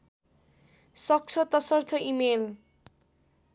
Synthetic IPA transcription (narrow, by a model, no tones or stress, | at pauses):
sʌk̚t͡ʃʰʌt̪ʌsʌrt̪ʰʌʔimel